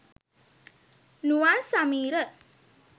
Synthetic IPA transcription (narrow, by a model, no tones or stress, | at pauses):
nuwasamiːɾə